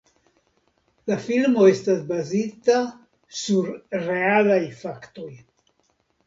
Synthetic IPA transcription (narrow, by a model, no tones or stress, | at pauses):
lafilmo̞e̞stasbazit̪a | suɾɾealajfakt̪o̞j